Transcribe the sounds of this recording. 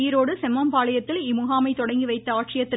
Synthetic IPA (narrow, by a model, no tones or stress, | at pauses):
jɪɾoːɽɯsɛmːɐmpaːɭɐjɐt̪ːɪlɪmʊɣaːmɐɪt̪ɔɽɐŋɡiʋɐɪt̪ːɐaːʈrɪjɐt̪ːɪ